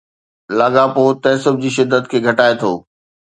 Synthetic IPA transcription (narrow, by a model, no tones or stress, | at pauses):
laːɠapoːt̪ɛ̃ːsʊbʱd͡ʑiːʃɪd̪ʱːət̪kʰeːɡʱɐʈaːet̪ʰo̰ː